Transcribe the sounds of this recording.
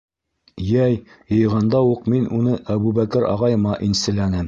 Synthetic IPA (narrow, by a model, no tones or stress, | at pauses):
jæj | jɤ̆jʁɑnd̪ɑuqminʔunɤʔæβuβækɘɾɑ̰ʁɑjɤ̆mɑʔinsɘ̆lænɘm